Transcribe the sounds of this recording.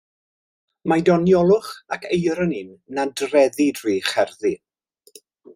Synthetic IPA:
majdɔnjɔlˠʊχakʰejɾənɪnnadrɛðidriːχɛrði

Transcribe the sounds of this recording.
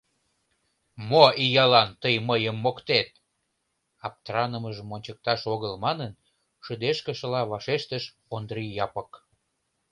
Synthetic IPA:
moijɑlɑnt̪əjməjəmːokt̪et̪̚ | ɑp̚t̪rɑnəməʒəmonʲt͡ɕək̚t̪ɑʃoɣəlmɑnən | ʃəd̪eʃkə̆ʃəlɑβɑʃeʃt̪əʃ | ond̪ɾijɑpək

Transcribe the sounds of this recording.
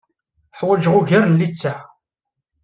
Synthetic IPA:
ħwæd͡ʒʁʊʝəɾnːit͡sːa

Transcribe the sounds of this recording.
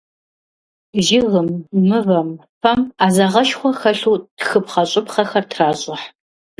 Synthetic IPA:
ʒɪɣɨmːɨvɐmfɐmaːzɐʁɐʃχʷɔxɐɬuːtxɨpχɐɕʼɪpχɐxɐrtʰraːɕʼɪħ

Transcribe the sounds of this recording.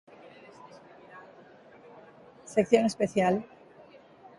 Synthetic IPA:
sekθjonespeθjal

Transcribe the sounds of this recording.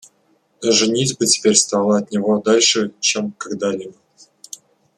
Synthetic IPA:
ʐɨnʲit͡sʲbɨtʲɪ̥pʲeɾʲst̪ɑlˠəɐt̪̚nʲɪvod̪alʲʂɨt͡ɕemkɐɡd̪alʲɪbə

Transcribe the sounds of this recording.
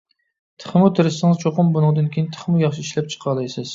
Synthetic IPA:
t̪ʰə̥χmut̪ʰɪɾɪsɪŋɨzt͡ʃʰoqʊmbunɨŋd̪ɨnkʲʰejint̪ʰə̥χmujɑχʃiiʃlɛp̚t͡ʃʰə̥qʰɑlˠɨjsɨz̥

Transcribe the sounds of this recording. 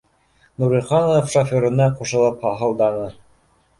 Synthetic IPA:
nuɾĭlχɑnoofʃofʲoɾɤ̆nːɑquʃɤ̆lˠɤphɑɦɤ̆lˠd̪ɑnɤ

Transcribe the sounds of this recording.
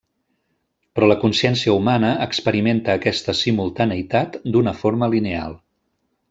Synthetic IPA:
pɾɔləkunsiɛnsiəumanəːkspəɾiment̪əːkɛst̪əsimulˠt̪anəit̪at̪d̪unəfoɾməlinea̰lˠ

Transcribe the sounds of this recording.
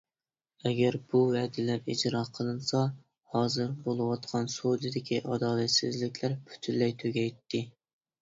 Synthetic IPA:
ɛɡʲæɾbuwɛd̪ɪlæɾid͡ʒɾɑqʰəlˠɨnsɑ | hɑːzɨɾbolˠɨwɑt̪qʰɑnsod̪ɨd̪ɪkʲʰiʔɑd̪ɑːlæt̪sɪzlɪkʲʰlæɾpʰy̥t̪ʰynlːɛjt̪ʰøɡʲɛjt̪ʰːɪ

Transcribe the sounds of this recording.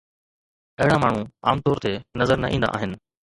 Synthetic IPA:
ɐɦɪɽamaːɳ̤ũa̰ːmt̪ɔːɾt̪enɐzəɾnɐ̰ʔĩːnd̪a̰ʔaːɦɪnɪ̆

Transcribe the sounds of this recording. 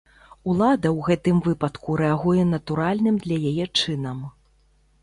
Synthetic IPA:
ulˠad̪ɐwɣɛt̪ɨmvɨpɐt̪kuɾɛaɣujɛn̪ɐt̪uɾalʲnɨmd̪lʲɐjajɛt͡ʂɨnɐm

